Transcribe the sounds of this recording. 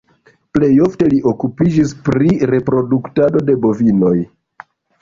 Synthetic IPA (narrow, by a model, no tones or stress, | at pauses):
ple̞jo̞fte̞liʔo̞kupid͡ʒispɾiɾe̞pɾo̞duktado̞de̞bo̞vino̞j